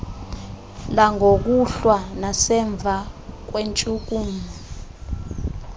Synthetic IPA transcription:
laŋʱok̬uɬwanasɛɱb̪vʱak̬went͡ʃʼuk̬uːmu

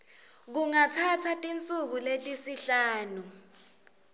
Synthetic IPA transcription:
k̬uŋatʰatʰatʼint͡sʼuk̬uletʼisiɬaːnu

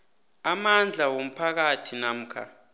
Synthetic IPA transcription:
amand͡ɮʱawom̩pʰak̬atʰinam̩kʰa̰

